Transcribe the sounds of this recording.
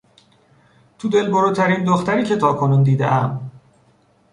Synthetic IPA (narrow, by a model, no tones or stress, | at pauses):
t̪ʰud̪e̞lboɾuːt̪ʰæɾind̪oxt̪æɾiːcʰe̞t̪ʰɒːkʰo̞nuːnd̪iːd̪ḛʔæm